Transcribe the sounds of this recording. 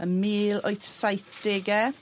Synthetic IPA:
əmiːlojθsajθd̥eːɡɛ

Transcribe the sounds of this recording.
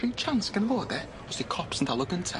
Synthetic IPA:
ɹit͡ʃʰanskə̃nvɔːðɛ | wɔzðikʰɔpsəntʰalˠəɡə̃ntʰə̰

